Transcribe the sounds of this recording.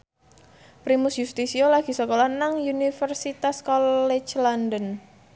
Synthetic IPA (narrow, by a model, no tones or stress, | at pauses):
pɾimusjust̪isiolaɡ̥i̤sɔkolanaŋjunifərsit̪askɔlɛt͡ʃlɔndən